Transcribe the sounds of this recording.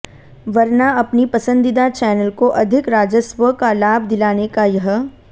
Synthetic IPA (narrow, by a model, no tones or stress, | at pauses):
ʋɐɾnaɐpnipɐsə̃nd̪ɪd̪at͡ʃɛːnəlkoʔɐd̪ʱɪkɾaːd͡ʒəswəkalaːb̚ʱd̪ɪlaːnekajɐɦə